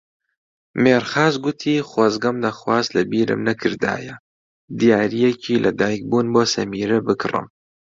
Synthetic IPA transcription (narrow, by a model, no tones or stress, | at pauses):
meːɾxaːzɡʊt̪ʰiːxwɐzɡɐmd̪ɐxwaːzlɐbiːɾɨ̰mnɐkʰɨɾd̪a̰ːjɐ | d̪ijaːɾijɛcʰiːlʔɐd̪aːjk̚buːnboːsɐmiːɾɐbɨkrɨ̰m